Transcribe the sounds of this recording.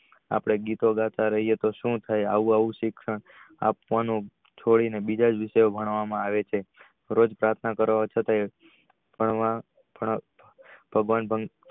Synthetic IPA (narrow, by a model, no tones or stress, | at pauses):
a̰pɽ̃eɡit̪oɡat̪ʰaɾəɦijet̪oʃũt̪ʰaja̰ʋũaʋũʃɪkʃəɳ | a̰p̚ʋanũ | t͡ʃʰoɭinebid͡ʒad͡ʒʋɪʃəjobʱəɽ̃ʋamãaʋet͡ʃʰe | ɾod͡ʒpɾaɾt̪ʰnakəɾʋat͡ʃʰət̪a | b̥ʱəɳʋa | bʱə | b̥ʱəɡʋanbʱəŋ